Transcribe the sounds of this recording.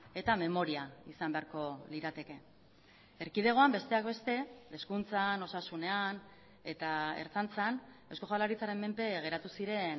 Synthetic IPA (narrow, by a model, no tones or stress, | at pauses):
e̞t̪ame̞mo̞ɾiaisambe̞aɾko̞liɾat̪e̞ke̞ | eɾkið̞e̞ɣ̞o̞ambe̞st̪eak̚be̞st̪e̞eskunt͡sano̞sasune̞an | e̞t̪ae̞̰ɾt͡sant͡san | e̞sko̞ʝalaɾit͡saɾe̞mːe̞mpe̞ɣ̞e̞ɾat̪usiɾe̞n